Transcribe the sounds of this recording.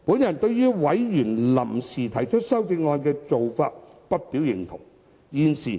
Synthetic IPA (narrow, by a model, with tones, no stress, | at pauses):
puː˨˥njɐ˨nt̪ɵ˧ɥjyː˥wɐ˨˥jjyː˨˩nlɐ˨˩msiː˨t̪ʰɐ˨˩jt͡ʃʰɵ˥t̚sɐ˥wt͡sɪ˧ŋːɔː˧nkɛː˧t͡so˨wfaː˧t̚pɐ˥t̚piː˨˥wjɪ˨ŋt̪ʰʊ̰˨˩ŋ | jiː˨˧nsiː˨˩